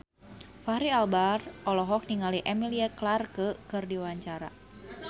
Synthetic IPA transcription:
faɾialbarɔlɔɦɔk̚niŋaliʔɛmiliaklarkəkɨrdiwaɲt͡ʃaɾa̰

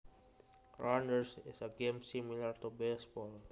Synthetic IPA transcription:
ɹãnd̪ɛɹsɪsɐɡẽmsimɪlaɹt̪ubesbɔl

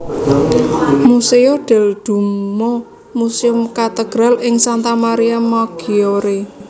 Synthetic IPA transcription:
museoɖ̪̥ɛ̤ld̪̥ṳmo | musɪʊmkat̪əɡ̥ɾalɪŋsant̪amaɾiamaɡ̥ioɾe

